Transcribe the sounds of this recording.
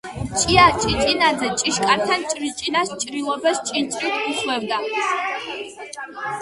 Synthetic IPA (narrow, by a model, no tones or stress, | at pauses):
t͡ʃʼiat͡ʃʼit͡ʃʼinad͡zɐt͡ʃʼiʃkʼartʰant͡ʃʼrit͡ʃʼinast͡ʃʼrilobɐst͡ʃʼint͡ʃʼitʷʰɡuslɛrdʼa